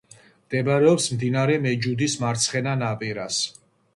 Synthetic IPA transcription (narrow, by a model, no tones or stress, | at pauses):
md̪̥ɛbɾɛɔpsmd̪inaɾɛmɛd͡ʒud̪ismaɾt̪sʰχɛnanapʼiɾas